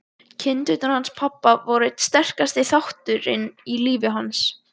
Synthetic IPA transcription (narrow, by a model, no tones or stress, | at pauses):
cʰɪnt̪ʏht̪aɾhanspʰapːavɔɾɪt̪st̪ɛr̥kast̪ɪθawht̪ʏɾɪ̰niliːvɪɦans